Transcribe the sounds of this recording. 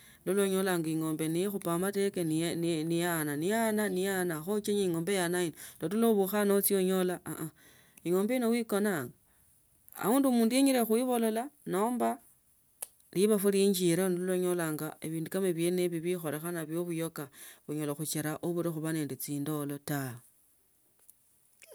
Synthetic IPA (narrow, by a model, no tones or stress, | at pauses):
loloɲolaːŋɡaiŋo̞ːmbenixupamate̞kennnijananijananijanaxot͡ʃaɲeiŋo̞ːmbejanainolotuloβuxanot͡sioɲo̞laaʔa | iŋo̞ːmbeino̞wiko̞naːŋɡa | a̰uːndumuːndujeɲiɾexuiβo̞lo̞lano̞ːmba | liβafuleɲd͡ʒiɾanuloɲolaːŋɡaeβiːndukameβjeneβiβixo̞ɾe̞xanaβjo̞βujo̞kaβuɲolaxut͡ʃeɾaʔoβuɾixuβane̞ːndet͡siːndo̞lo̞ta